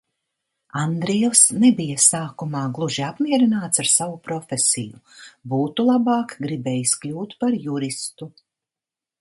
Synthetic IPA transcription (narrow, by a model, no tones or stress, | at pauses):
and̪ɾiɛlsnɛbijasaːkumaːɡlˠuʒiapmiɛɾinaːt̪saɾsavupɾɔfʲesḭjṵbuːt̪ulˠabɑːkɡɾibɛːjisklʲuːt̪paɾjuɾist̪u